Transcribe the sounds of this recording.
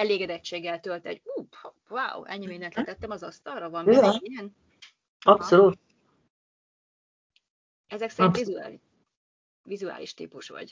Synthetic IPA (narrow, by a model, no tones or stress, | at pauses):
ɛleːɡɛd̪ɛt͡ʃːeːɡːɛlt̪ølt̪ɛ̰ɟuː | vaːwɛ̰ɲːimeːnɛnt̪lɛt̪ɛt̪ːɛmɒzɒst̪ɒrːɒvɒmiɛiɡɛn | ɒpsoluːt̪̚ | ɛzɛksɛɾinvizuaːl | vizua̰ːliʃt̪ḭːpuʃʋɒ̰ɟ